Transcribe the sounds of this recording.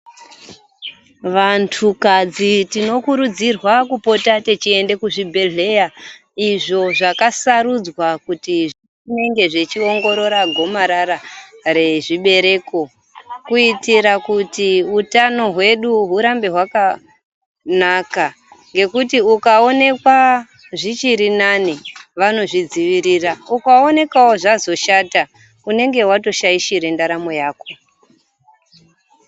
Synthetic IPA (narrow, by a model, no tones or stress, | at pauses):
ʋantʰukad͡zitino̞kuɾud͡zirwakupo̞tatet͡ʃie̞nde̞kuʐibʱe̞ɮe̞ja | iʐo̞ʐakasaɾud͡zwakutiʐi | ine̞ŋɡe̞ʐet͡ʃio̞ŋɡo̞ɾo̞ɾaɡʱo̞maɾaɾare̞ʐiɓe̞ɾe̞ko̞ | kuitiɾakutiutano̞ɦwe̞ɗuɦuɾambe̞ɦwaka | naka | ŋɡe̞kutiukao̞ne̞kwa | ʐit͡ʃiɾinaniʋano̞ʐid͡ziʋiɾiraukao̞ne̞kawoʐazo̞ʃata | une̞ŋɡe̞ɦwato̞ʃaiʃiɾendaɾamo̞jaːko̞